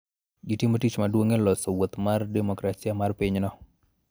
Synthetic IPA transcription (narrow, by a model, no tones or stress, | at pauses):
ɡitimotit͡ʃmadwoŋelɔsowot̪mardɛmɔkɾasiamarpiɲnɔ